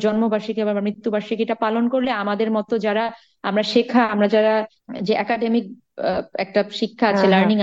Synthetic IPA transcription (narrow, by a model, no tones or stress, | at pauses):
d͡ʑɔnmobʱaʃikebaamɾit̪ːubʱaʃikeʈapalonkoɾleamad̪eɾmɔt̪od͡ʑaɾa | amɾaʃekʰaamɾad͡ʑaɾa | d͡ʑeʔɛkaɖemik̚ | ɛk̚ʈaʃikʰːaaelaɾniŋ